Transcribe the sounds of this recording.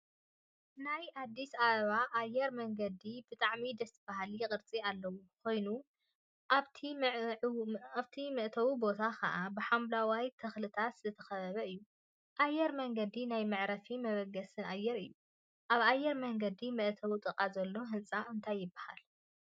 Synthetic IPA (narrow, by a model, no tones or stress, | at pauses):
najad̪ːisaβɐβaʔːjːɛɾmɐŋɡɐd̪ibɨt̪ʼaʕmid̪ɐsɨb̥aɦaljɪkʼɨɾt͡sʼialːɐwukʰo̞jnu | t̪ʰi | aβt̪ʰimɐʔt̪ʰɐwibo̞t̪ʰakʰɐ̰ʔabɨħamblawajt̪ʰɐxlɨt̪ʰat̪szɐt̪ʰɐxɐβɐβɐɨjːu | ʔajːɛɾmɐŋɡɐd̪inajmɨʕɾɐfimɐβɐɡɐsɨnʔajːɛɾɨjːu | ʔaβajːɛɾmɐŋɡɐd̪imɐʔt̪ʰɐwut̪ʼɨkʼazɐlːo̞ɦɨnt͡sʼaɨnt̪ʰajːɪbːaha̰l